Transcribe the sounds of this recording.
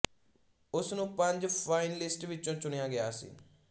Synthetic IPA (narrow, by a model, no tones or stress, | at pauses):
ʊsnũːpəɲd͡ʒpʰaːɪnlɪsʈʋɪt͡ʃːt͡ʃõːt͡ʃʊɽejaːɡɪjaːsḭː